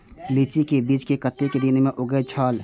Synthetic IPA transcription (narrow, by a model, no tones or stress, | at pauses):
lit͡ʃikebiːd͡ʒkekət̪ːeked̪ɪnmẽʔʊɡəet͡ʃʰaːl